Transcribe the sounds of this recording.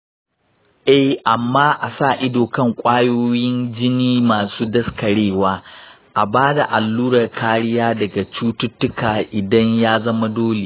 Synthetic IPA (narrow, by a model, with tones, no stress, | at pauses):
ʔɛ˦hʔa˨mːaː˦ʔa˨sa˦˨ʔɪ˦doː˨kɐ˦ŋkʷʼaː˦joː˦jɪ˦nd͡ʒɪ˦niː˦maː˨suː˦dɐ˦skɐ˨ɽeː˦˨waː˦ | ʔa˨baː˦da˨ʔa˨lːuː˦ɾɐ˨rkʰaː˦ɽɪ˦jaː˦dɐ˨ɡa˨t͡ʃuː˦tʊ˦tːʊ˦kʰaː˨ʔɪ˨dɐ˦ɲjaː˦zɐ˦ma˦doː˦le˨